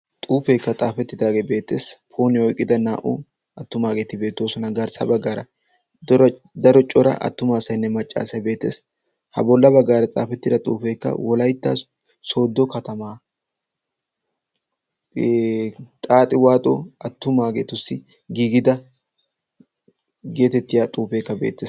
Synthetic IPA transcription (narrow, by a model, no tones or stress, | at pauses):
t̪ʼuːfeːkːɐt͡sʼaːfɛt̪ːɪd̪aːɡebe̞ːt̪ːe̞̰ːspʰo̞ːnɪɔjkʼːɪd̪ɐnaːʔʊ̰ | ɐt̪ːʊmaːɡe̞ːt̪ɪbe̞ːt̪ːo̞ːsɔnɐɡɐɾsɐ̰bɐɡːaːɾɐ | dɔɾ | d̪ɐɾɔt͡ʃʼɔɾɐ̰ʔɐ̰t̪ːʊmaːsɐjɪnːɛmɐt͡ʃʼːa̰ːsɐbe̞ːt̪ːe̞ːs | hɐ̰bɔlːɐbɐɡːaːɾɐt͡sʼa̰ːfɛt̪ːɪd̪ɐt̪ʼṵːfe̞ːkːɐ̰wɔlɐjt̪ːɐ̰ | so̞ːd̪ːɔkɐt̪ɐmaː | t̪ʼaːt̪ʼɪwaːt̪ʼo̰ɐt̪ːʊmaːɡeːt̪ʊsːɪ | ɡiːɡɪd̪ɐ | ɡe̞ːt̪ɛt̪ːɪjat̪ʼuːfe̞ːkːɐbe̞̰ːt̪ːeːs